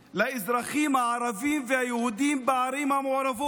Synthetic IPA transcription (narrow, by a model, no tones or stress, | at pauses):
laɪzɾaχimhaʕaɾavimvehajehud̪imbaʕaɾimhamoʕɾavo